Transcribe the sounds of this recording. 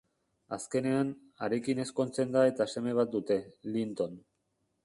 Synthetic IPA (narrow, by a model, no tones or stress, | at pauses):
aske̞ne̞an | aɾe̞kine̞sko̞nt͡se̞nd̪ae̞t̪ase̞me̞β̞at̪̚d̪ut̪e̞lint̪o̞n